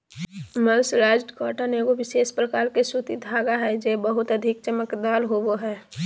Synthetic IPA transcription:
məlsɾaːd͡ʒʈkɔːʈanekoʋɪseːʃpɾəkaːlkesut̪id̪ʱaːɡaɦɛd͡ʒeːbəɦʊt̪əd̪ʱɪk̚t͡ʃəməkd̪aːlɦowoɦɛː

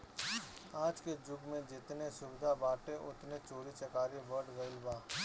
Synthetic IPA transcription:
aːd͡ʒked͡ʒʊɡmẽd͡ʒɪt̪nesʊbɪd̪ʱabaːʈeʔʊt̪net͡ʃoːɾit͡ʃɐkaːɾibɐɽɡɐɪlbaː

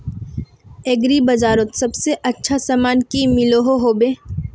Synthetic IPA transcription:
eɡɾibɐd͡ʒaːɾət̪sɐbseʔɐtːʃʰasaːmaːnkimɪloɦoɦoːbeː

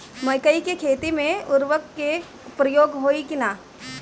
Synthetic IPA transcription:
mɐjkəikekʰeːt̪imẽʊɾʋəkːe | pɾɐjoːɡɦoːikɪnaː

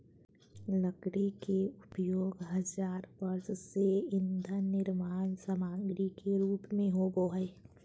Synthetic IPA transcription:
ləkɽekeʊpjoːɡɦɐzaːɾbəɾsseɪnd̪ʱənɪɾmaːnsəmãːŋɡɾikʰeɾuːpmẽɦoboɦə

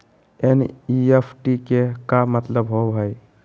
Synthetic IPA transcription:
eniepʰʈikekamət̪ləbɦoɦəj

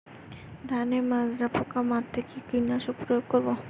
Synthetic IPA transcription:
d̪ʱanemazɾapʰokamat̪ʰːekekinːaʃok̚pɾojoɡkoɾbo

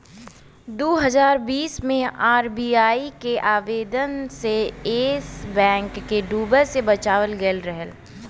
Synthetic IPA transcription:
d̪oːɦɐzaːɾbiːsmẽaːɾbiːaːikeʔaːʋeːd̪ənseeːsbɛ̃ːŋkːeɖuːbəɾsebɐt͡ʃaːʋəlɡəlɾɛɦəl

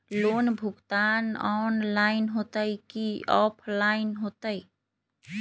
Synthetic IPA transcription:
lonbʱuɡt̪anɔnlaɪnɦot̪əjkiɔpʰlaɪnɦot̪əj

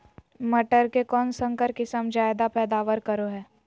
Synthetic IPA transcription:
mɐʈəɾkekɔːnsə̃ŋkəɾkɪsəmd͡ʒaːed̪apɛːd̪aːʋəɾkəɾoɦɛː

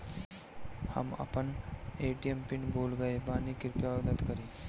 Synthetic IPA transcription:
hə̰mɐ̰pəneːʈijempɪnboːlɡəebaːnikɪɾpjaːwd̪ət̪kəɾiː

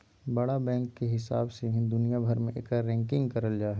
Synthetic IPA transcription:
bɐɽabɛ̃ːŋkːeɦɪsa̰ːbseɦĩd̪ʊnijabʱəɾmẽʔḛːkaɾɛ̃ːŋkɪ̃ŋɡkɐɾəld͡ʒaːɦɛ

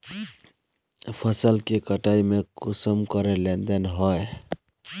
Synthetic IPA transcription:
pʰəsəlkekəʈaimekusəmkəɾelend̪enɦɔe

